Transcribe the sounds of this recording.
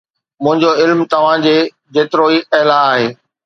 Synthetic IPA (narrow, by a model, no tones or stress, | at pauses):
mʊ̃ɦɪ̃ɲd͡ʑoɪlmt̪ɐʋ̤ãd͡ʑeː | d͡ʑeːt̪ɪɾoiɐɦlaaːɦeː